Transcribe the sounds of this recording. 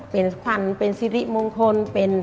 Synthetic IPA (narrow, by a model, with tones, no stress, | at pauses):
pe˨˩nkʰwa˧˩npe˧nsi˧˥ɾi˧˥˩mo˧ŋkʰo˧npe˨n